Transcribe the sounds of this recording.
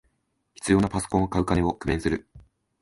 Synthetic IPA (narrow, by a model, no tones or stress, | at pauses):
çi̥t͡sɨjo̞ːnapaso̥kõ̞ɰ̃okaɯ̟kaneo̞kɯ̟mẽsɨɾɯ̟